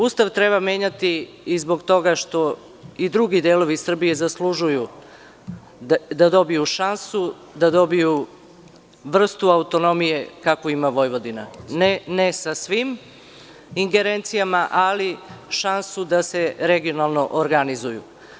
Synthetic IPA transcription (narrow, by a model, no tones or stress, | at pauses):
ust̪aʋt̪ɾe̞βamjeːɲat̪iː | zbo̞ɡt̪o̞ɡaʃt̪o̞ | id̪ɾuɡid̪eːlo̞ʋisr̩bije̞zaslˠuʒuju | d̪ad̪o̞bijuʃansu | d̪ad̪o̞biju | ʋr̩st̪uaut̪o̞no̞mije̞kakoimaʋo̞jʋo̞d̪ina̰nnesasʋim | iŋɡe̞ɾent̪sijamaʔaliʃansud̪ase̞ɾeɡio̞nalˠno̞ʔoɾɡanizujṵ